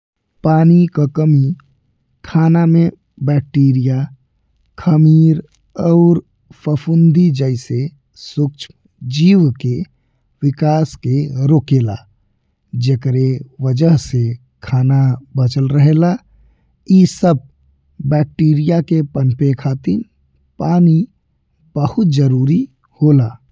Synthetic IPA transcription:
paːnikakəmi | kʰaːnamẽ | bɛːk̚ʈeːɾija | kʰəmiːɾ | ɔʊɾ | pʰəpʰund̪id͡ʒəɪse | sʊk̚t͡ʃʰ | d͡ʒiːwke | wɪkaːskeɾoːkeːla̰ | d͡ʒekɾewəd͡ʒəɦse | kʰaːnabət͡ʃəlɾəɦela | iːsəb̚ | bɛk̚ʈiːɾijakepənpekʰaːt̪ɪɾ | paːni | b̥əhʊt̪̚d͡ʒəɾuːɾi | hoːlaː

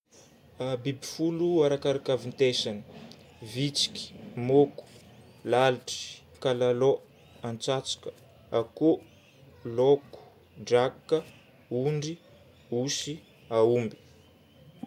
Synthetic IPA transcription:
abibifuluaɾakaɾakavint̪esani̥ | vit͡si̥kʲi̥moku̥ | laliʈ͡ʂi̥ | kalalo | ant͡sat͡si̥kə̥ | ako | loku̥ | ɖ͡ʐakkːə | uɳɖ͡ʐi | usi | aumbi̥

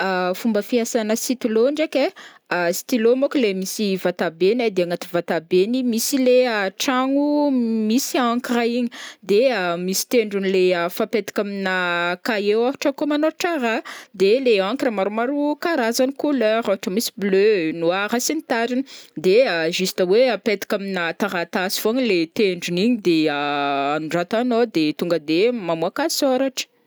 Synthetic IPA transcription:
afumbəfiasanəsit̪iloɳɖ͡ʐake | asi̥t̪ilomoklemisivat̪abenad̪eaŋat̪i̥vat̪abenimisileaʈ͡ʂaŋumisiakiraiɲid̪eamisi̥t̪eɳɖ͡ʐunileəfapet̪i̥kʲaminakaewaɦaʈ͡ʂəkomanoɾuʈ͡ʂaɾad̪eleãŋkiramaɾumaɾukaɾazanikuløɾaɦaʈ͡ʂəmisi̥blønuaɾasinit̪aɾinid̪eəʒist̪əweapet̪i̥kʲaminat̪aɾat̪asi̥v̥oɲilet̪eɳɖ͡ʐuniɲid̪eaanɖ͡ʐat̪anod̪et̪uŋɡəd̪emamuakasoɾaʈ͡ʂə̥

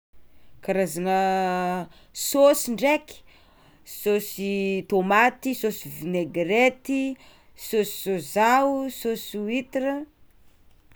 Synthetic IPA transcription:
kaɾazanə | sosiɳɖ͡ʐeki̥ | sosit̪omat̪isosivineɡret̪i | sosi̥zozausosuit̪irə

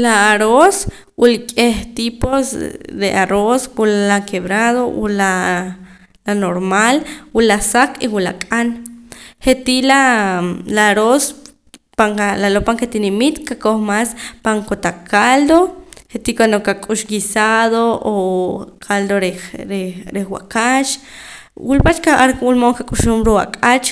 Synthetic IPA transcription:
laːɾos | wulkʼeht̪iposd̪eʔaɾoswulalakeβɾaðowṵla | lanoɾmalwulasakiwula̰kʼanhet̪ila | laɾos | paŋalalopaŋket̪inimit̪kakoχmaspaŋkot̪akald̪oχet̪ikwand̪okakʼuʃɡisaðookʰald̪oɾeɾeɾexwa̰kat͡ʃ | wulpat͡ʃkaʔaɾwulmoŋkakʼuʃumɾua̰kʼat͡ʃ

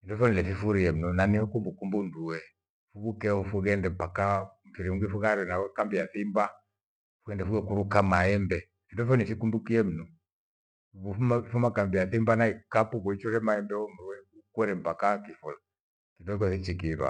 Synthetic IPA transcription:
indɔfɔnilɛfifuɾiɛm̩nɔnaniɔkumbukumbunduwɛ | fuβukɛɔmfuɣɛndɛm̩pakamfiɾiuŋɡifuɣaɾɛnawɛkambiaθimba | fuɡɛndɛfuɡɛkuɾukamaɛmbɛ | indɔfɔnifikumbukiɛm̩nɔ | uumaifumakambiaθimbanaikapukuit͡ʃɔɾɛmaɛmbɛɔmwɛukwɛɾɛm̩pakakifula | kinɔkwɛfit͡ʃikiβa̰

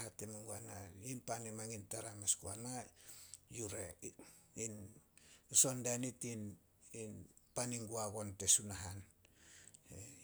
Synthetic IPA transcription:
atemeŋɡuanainpanemaŋintaɾamaskuana | juɾe | in | so̞ndanitin | inpaniŋɡuaɡo̞nte̞sunaɦan | e

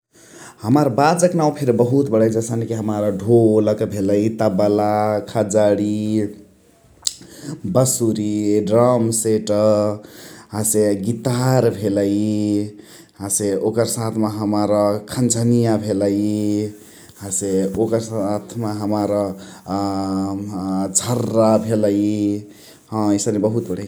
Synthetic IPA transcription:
həməɾbad͡ʒəknaw̃pʰeɾbəɦut̪bəɽəjd͡ʒəsənkiɦəmaɾəɖʱoləkebʱeləit̪abəlakʰad͡ʒaɽi | bəsuɾiɖɾəmseʈə | ɦãseɡit̪aɾbʱeləji | ɦãseokəɾsat̪ʰmeɦəmaɾʌkʰənd͡ʒʱənijabʱeləji | ɦãseokəɾsat̪ʰmaɦəmaɾʌ | d͡ʒʱəɾːabʱeləji | ɦə̃isəɾebəɦut̪̚bəɽej

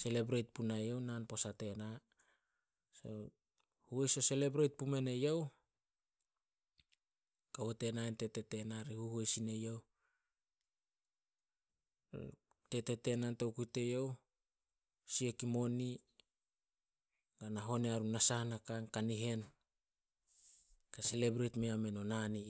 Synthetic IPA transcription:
se̞le̞bɾejt̚punajo̞wnanpo̞sate̞na | so̰ | huejso̞se̞le̞bɾejt̚pume̞ne̞jow | kawote̞naente̞te̞te̞naɾihuhuejsine̞jow | te̞tete̞nantowkute̞jow | siekimo̞ni | ɡanaɦo̞neaɾunasahnakankaniɦe̞n | kase̞lebɾejtmeame̞nonani

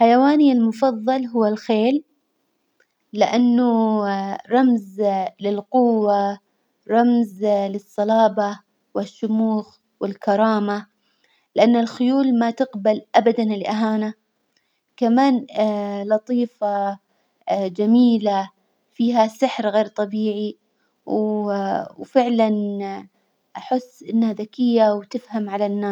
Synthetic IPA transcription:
ħajawaːnialmʊfɑðˤːɑlɦʊwːalxeːl | ɪʔanːʊ | ɾˤɑmzlɪlqʊwːa | ɾˤɑmzlɨsˤːɑlɑːbɑ | wɪʃːʊmuːx | wɪlkɑɾˤɑːma | lɪʔanːɪlxʊjuːlmat̪ɪqbalʔabad̪anlʔaɦaːna | kamaːnlɑt̪ˤiːfɑ | d͡ʒamiːla | fiːɦasɪħɾɣeːɾt̪ˤɑbiːʕi | w | wfɪʕlan | ʔaħʊsːʔɪnːhaðakɪjːawt̪ɪfhamʕalanːaː

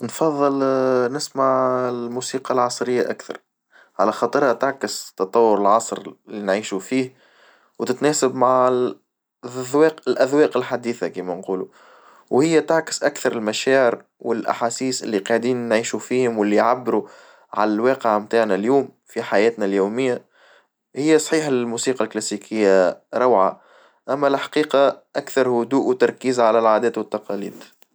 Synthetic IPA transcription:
nfɑðˤːɨlnɪsmaʕɪlmuːsiːqɑlʕɑsˤɾɪjːaʔækθɑ̰ɾˤ | ʕalæxɑːt̪ˤɨɾhat̪aʕkɪst̪ːɑt̪ˤɑwːʊɾəlʕɑsˤɾɪlːinʕiːʃufiːh | wt̪ɪt̪nɛːsabmaʕ | wɛːqɪlʔæðwɛːqɪlħad̪iːθakiːmɛnquːlu | whɪjːæt̪aʕkɪ̥sʔækθɑɾˤɪlmæʃæːʕɪɾ | wɪlʔa̰ħaːsiːsʔɪ̰lːiqɑʕd̪iːnːʕiːʃufiːhʊmwɪlːiʕabːɾu | ʕa̰lælwɑːqəʕmt̪aːʕnæljuːm | fiħajɛːt̪næljuːmɪjːa | hɪjːæsˤħiːħalmuːsiːqɑlklæsiːkʰɪjːaɾˤɑwʕa | ʔæmːælħḁqiːqɑʔækθɑɾˤhʊd̪uːʔwt̪ɑɾˤkiːzʕalælʕaːd̪ɛːt̪wɪt̪ːɑqɑːlḭːd̪

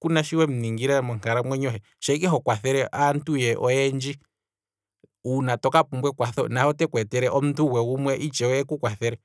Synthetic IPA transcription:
kunaʃiwɛm̩niŋɡiɾɛmɔŋ̥kaɾamwɛɲɔɦɛ | ʃaikɛɦɔkwaθɛɾɛʔantujɛʔɔɛnd͡ʒi | unatɔkapumbwɛkwaθɔnahɔtɛkwɛtɛɾɛʔɔm̩tʰuwɛumwɛʔit͡ʃɛwɛɛkukwaθɛɾɛ

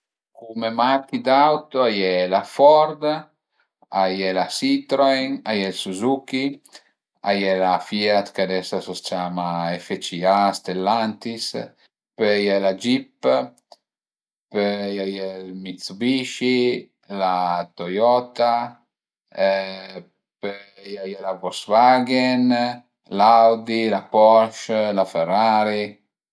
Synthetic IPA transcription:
kumemakid̪awt̪oajɛlafɔɾd̪ | ajɛlasit̪ɾojŋajɛlsuzuki | a̰jɛlafiat̪kad̪ɛsasɔst͡ʃaːmaefet͡ʃiast̪elːant̪is | pɛjɛlad͡ʒipː | pejajɛlmit̪sbiʃi | lat̪ojɔt̪a | pe | jajɛlavɔsvaɡɛn | lawd̪ilapɔʃlafɛraːɾi

